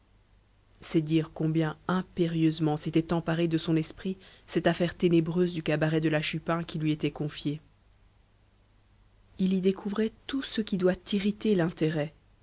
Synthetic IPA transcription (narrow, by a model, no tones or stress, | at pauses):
sɛd̪iʁkɔ̃bjɛ̃ɛ̃peʁjøzmɑ̃set̪ɛt̪ɑ̃paʁed̪əsɔ̃nɛspχisɛt̪afɛʁt̪enebʁøzd̪ykabaʁɛd̪əlaʃypɛ̃kʲilɥiet̪ɛkɔ̃fje | ilid̪ekʰuvʁɛt̪usəkʲid̪wat̪iʁit̪elɛ̃t̪eʁɛ